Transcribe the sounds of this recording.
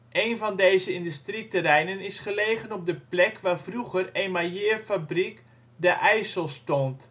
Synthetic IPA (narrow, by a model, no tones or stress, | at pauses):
ʔejnvɑndejzəɪndystritəɾɛjnənɪsχəlejɣənɔb̚dəplɛkʋaːvruɣərejmajɪːrfabrik | dəʔɛjsəlˠstɔnt